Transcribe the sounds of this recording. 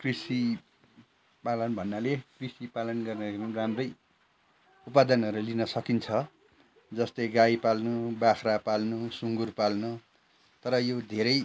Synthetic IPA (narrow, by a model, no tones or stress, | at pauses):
krisi | palʌnbʱʌnːalekrisipalʌnɡʌrnʌiɾimramrʌj | upad̪ʌnʌɾulinʌsʌkint͡sʰʌ | d͡zʌst̪ʌjɡajpalnubakʰrapalnusuŋɡurpalnu | t̪ʌɾʌjod̪ʱeɾʌj